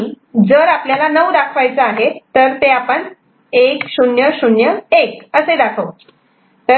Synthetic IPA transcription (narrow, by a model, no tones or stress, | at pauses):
i | d͡zəɾapljalanəʋd̪akʰʋajt͡səaɦet̪ːəɾt̪eapəɳ | eksunjəsunjəekəsed̪akʰəʋ | t̪ə